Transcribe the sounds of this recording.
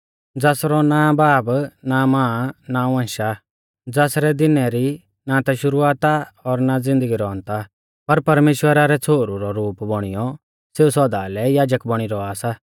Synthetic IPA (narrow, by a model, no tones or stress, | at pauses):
d͡zɛːsɾɔnabaːbnamãːnaɛ̃ːʃa | d͡zɛːsɾɛd̪ɪnɛɾi | nat̪aʃʊɾuaːt̪aɔɾnad͡zɪ̃nd̪əɡiɾɔ̃nt̪a | pɐɾpɐɾmeːʃwəɾaɾɛt͡sʰoːɾuɾɔɾuːpbɔɽ̃ɪjɔ | seːusɔd̪aːlɛjaːd͡ʒəkbɐɽ̃iɾɔaːsa